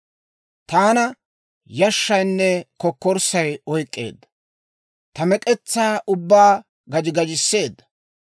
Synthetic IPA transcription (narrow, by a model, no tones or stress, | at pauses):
t̪aːnɐ | jɐʃːɐjnːɛkɔkːɔɾsɐjɔjkʼːe̞̰ːd̪ːɐ | t̪ɐmɛkʼɛt͡sːaːʔʊbːaː | ɡɐd͡ʒɪɡɐd͡ʒɪsːe̞ːd̪ːɐ̥